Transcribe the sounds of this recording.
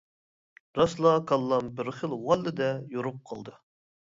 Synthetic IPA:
ɾɑslˠɑkʰɑlˠːɑmbɪɾχəlˠwɑlːɪd̪ɛjoɾup̚qʰə̰lˠd̪ɨ

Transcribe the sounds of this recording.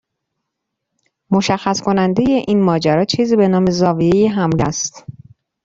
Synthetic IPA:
mo̞ʃæxːæskʰo̞nænd̪e̞je̞ʔiːnmɒːd͡ʒæɾɒːt͡ʃʰiːziːbe̞nɒːme̞zɒːvie̞jeɦæmlæst̪

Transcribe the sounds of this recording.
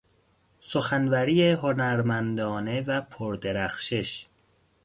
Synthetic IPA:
soxænvæɾijeɦonæɾmænd̪ɒːne̞væpʰoɾd̪eɾæxʃeʃ

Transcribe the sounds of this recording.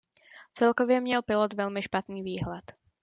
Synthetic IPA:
t͡sɛlkovjɛmɲɛlpɪlot̪vɛlmɪʃpat̪niːviːɦlɛt̪

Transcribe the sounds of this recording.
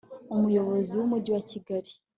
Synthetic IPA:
umujo̞βo̞ziwumuɟiwaciɡaɾi

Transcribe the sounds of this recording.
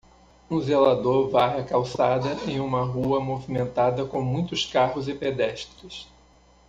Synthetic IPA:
ũzelad̪oɾvaɦɐkawsad̪ɐẽj̃ũmɐɦuɐmovimẽnt̪ad̪ɐkõmũj̃t̪ʊskaɦʊzɪped̪ɛʃt̪ɾɪs

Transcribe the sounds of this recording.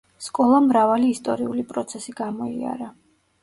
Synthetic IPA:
skʼɔlˠamɾavaliːst̪ʼɔɾiulipʼɾɔt̪sʰɛsiɡamɔia̰ɾa

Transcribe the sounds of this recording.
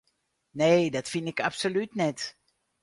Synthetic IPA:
neːdɔtfinɪkapsolytnɛt

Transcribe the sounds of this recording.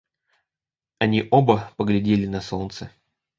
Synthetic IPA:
ɐnʲiʔobəpəɡlʲɪdʲelʲɪnɐsont̪sə

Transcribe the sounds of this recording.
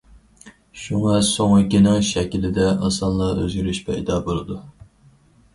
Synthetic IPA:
ʃuŋɑsoŋkʲinɪŋʃɛkʲilɪd̪ɛʔɨnsɑnlˠɑɾø̰zɡʲyɾyʃpɛ̰ḭd̪ɑːbolˠɨd̪u

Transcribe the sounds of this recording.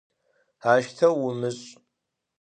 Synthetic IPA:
aːʃtʰɐwʊmɨɕʼ

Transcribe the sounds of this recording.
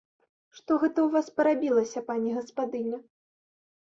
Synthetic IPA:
ʂt̪ɔɣɛt̪ɐwvaspɐɾabʲilˠɐsʲɐpanʲiɣɐspad̪ɨnʲɐ

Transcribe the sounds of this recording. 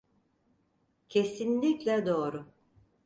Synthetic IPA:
cʰe̞sinlʲiclʲɛd̪o̞ːɾʊ

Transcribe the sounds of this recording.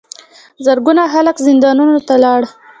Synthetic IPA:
zəɾɡunaxaləkzɪnd̪ɑnunot̪alɑɽ

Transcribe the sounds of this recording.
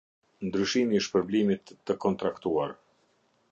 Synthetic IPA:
nd̪ɾyʃimiʃpəɾblimit̪ːəkɔnt̪ɾakt̪uaɾ

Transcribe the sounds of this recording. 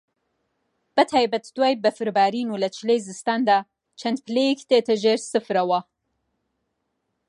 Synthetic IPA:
b̥ɐt̪ʰaːjbɐt̪d̪waːjbɐfɨɾbaːɾiːnuːlɐt͡ʃʰɨlejzɨst̪aːnd̪aː | t͡ʃʰɐnd̪̚pʰɨlejɛkt̪eːt̪ʰɐʒeːɾsɨfɾɐwɐ

